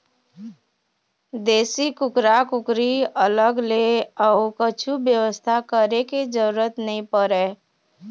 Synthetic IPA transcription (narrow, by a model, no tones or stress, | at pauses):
d̪eːsikʊkɾakʊkɾiələɡleəʊkət͡ʃʰubjəʋəst̪ʰakəɾeked͡ʒəɾuɾət̪nəɦĩpəɾeː